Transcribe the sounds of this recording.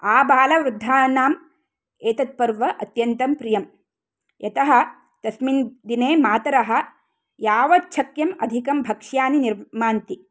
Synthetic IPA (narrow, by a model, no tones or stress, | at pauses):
aːbaːlɐʋɾud̪ʱːaːnaːm | eːt̪ɐt̪̚pɐɾʋɐʔɐt̪jɐnt̪ɐmpɾijɐm | jɐt̪ɐɦɐ̆ | t̪ɐsmind̪ineːmaːt̪ɐɾɐɦɐ̆ | jaːʋɐt̚t͡ʃʰɐkjɐmɐd̪ʱikɐmbʱɐkʂjaːniniɾmaːnt̪i